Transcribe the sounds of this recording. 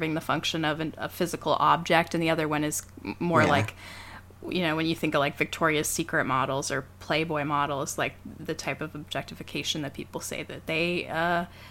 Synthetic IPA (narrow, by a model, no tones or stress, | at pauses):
vɪ̃ŋðɨfʌ̃ŋkʃɨ̃nʌvɨ̃nə̰fɪzɨkl̩ˠɑ̰b̚d͡ʒɛk̚tɨ̃nðiʌðə˞wʌ̃nɨz̥mɔɹlaɪk | jɨ̰ñoʊwɨ̃njɨθɪ̃ŋkʌv̥laɪkv̥ɨk̚tʰɔɹiɨsikɹɨt̚mɑɾl̩ˠzə˞pʰl̥eɪbɔɪmɑɾl̩ˠz̥laɪk̚ðɨtʰaɪpʌvɨb̚d͡ʒɛk̚tɨfɨkʰeɪʃɨ̃n̩ðɨt̚pʰipl̩ˠsḛɪðɨt̪̚ðeɪʌ